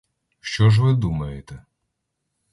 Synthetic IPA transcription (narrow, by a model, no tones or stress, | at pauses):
ʃt͡ʃɔʒʋɪd̪umɐjet̪ɛ